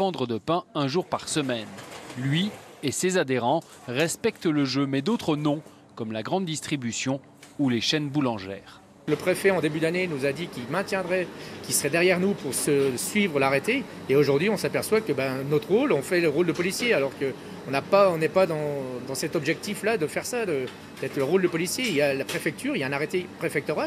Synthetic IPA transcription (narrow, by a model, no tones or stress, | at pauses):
vɑ̃d̪ʁəd̪əpɛ̃ɛ̃ʒuʁpaʁsəmɛnlɥiesezad̪eʁɑ̃ | ʁɛspɛkt̪ləʒømɛd̪ot̪χənɔ̃ | kɔmlaɡʁɑ̃d̪ːist̪χibysjɔ̃ | uleʃɛnbulɑ̃ʒɛ̰ːʁ | ləpχefɛɑ̃d̪ebyd̪anenuzad̪ikʲilmɛ̃t̪jɛ̃d̪ʁɛkʲisəʁɛd̪ɛʁjɛʁnupuʁsəsɥivʁəlaʁet̪eː | oʒuʁd̪ɥiɔ̃sapɛʁswakəbanɔt̪χʁolɔ̃fɛləʁold̪əpɔlisjealɔʁkə | ɔ̃napaɔ̃nɛpad̪ɑ̃d̪ɑ̃sɛt̪ɔbʒɛk̚t̪iflad̪əfɛʁsad̪ə | d̪ɛt̪χləʁold̪əpɔlisjeiljalapχefɛk̚t̪yʁijaɛ̃naʁet̪epχefɛk̚t̪ɔʁa